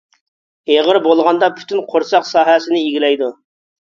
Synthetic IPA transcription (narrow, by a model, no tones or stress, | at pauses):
eʁəɾbolˠʁɑnd̪ɑpʰy̥t̪ʰynqʰoɾsɑqsɑːɦɛsɪnɪiɡʲilɛjd̪u